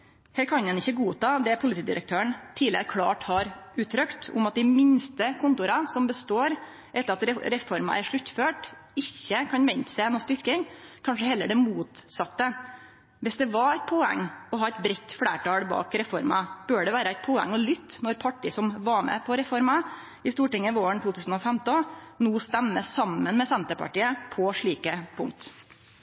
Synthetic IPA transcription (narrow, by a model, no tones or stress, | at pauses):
hɛːkʰɑnd̪ɛnɪçːəɡuːt̪ɑːd̪ɛpʰʊlɪt̪iːd̪ɪ̰ɾə̰k̚t̪ʰøːəɳt̪ʰiːlɪəɾkʰlɑ̰ːʈhɑɾʉːt̪ʰːɾœkt̪ʊ̰mɑt̪̚d̪ɪmɪnst̪əkʰʊnt̪ʊɾɑsɔmbəst̪oːɾ | ʔɛt̪ːəɾɑt̪ɾɛɾɛfɔɾmɑ̰ʔæɾʂɭʉt̪ːføːʈɪçːəkʰɑnʋɛɲt̪sæɪnɔst̪ʏɾkɪŋkʰɑnʂəhɛlːəɖɛmuːt̪sɑt̪ːə | ʋɛsd̪ɛʋɑæt̪̚pʰoɛ̰ŋːɔɦɑːɛɪt̪̚bɾɛt̪ːfɽæ̰ːʈɑːɽbɑ̰ːkɾɛfɔɾmɑb̥øːɖɛʋæːɾəæɪt̪̚pʰoːɛ̰ŋːɔlʏt̪ːnɔɾpʰɑʈːɪsɔmʋɑɾmɛ̰pʰɔɾɛfɔɾmɑ | ɪst̪uːʈɪŋːəʋoːəɳt̪ʰuːt̪ʰʉːsn̩ɔfɛmt̪ɔnuːst̪æmːəsɑmːənmɛsɛnt̪əpɑ̰ʈiːəpʰɔʂɭiːkəpʰʊ̰ŋkt̪